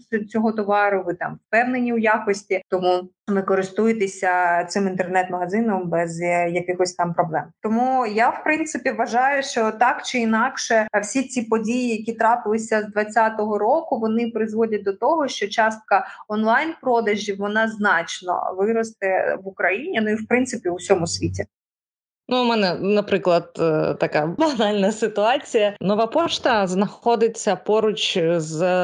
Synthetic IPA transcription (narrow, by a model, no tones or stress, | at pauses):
sʲt͡sʲɔɦɔt̪ɔʋɑɾʊʋɪt̪ɑ̰mfpɛwnenʲiwjakɔsʲtʲit̪ɔmu | ʋɪkɔɾɪst̪ujet̪esʲɐt̪sɪmint̪ɛrnɛt̪mɐɦɐzɪnɔmbɛzjɐkɪxɔsʲt̪ɑmpɾɔblˠɛmt̪ɔmujawpɾɪnt̪sɪpʲiʋɐʒɑjʊʃt͡ʃɔt̪ɑkt͡ʃɪinɑkʃɛwsʲit͡sʲipɔdʲijijɐkʲit̪ɾɑpɪlˠɪsʲɐzd̪ʋɐt͡sʲːat̪ɔɦɔɾɔkʊʋɔnɪpɾɪzʋɔdʲɐt̚ʲd̪ɔt̪ɔɦɔʃt͡ʃɔt͡ʃɑst̪̚kɐɔnlˠɑjnpɾɔd̪ɐʒʲiwʋɔnɑznɑt͡ʃnɔ̰ʋɪɾɔst̪ɛʋʊkɾɐjinʲinuiwpɾɪnt̪sɪpʲiʊsʲɔmʊsʲʋʲitʲi | numɛnɛnɐpɾɪklˠɐd̪̥̚t̪ɐkabɐnɑlʲnɐsɪt̪ʊɑt͡sʲijɐnɔʋapɔt͡ʃt̪ɐznɐxɔd̪ɪt͡sʲːɐpɔɾʊt͡ʃz